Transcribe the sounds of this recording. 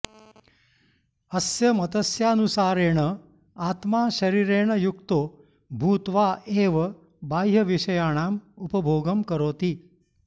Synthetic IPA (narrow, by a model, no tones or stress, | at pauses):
ɐsjɐmɐt̪əsjanusaːɾeːɳə | aːt̪maːʃɐɾiːɾeːɳ̃ɐjukt̪oː | bʱuːt̪ʋaːʔeːʋɐ | baːjɦɐʋiʃɐjaːɽ̃aːmupəbʱoːɡəmkɐɾoːt̪iː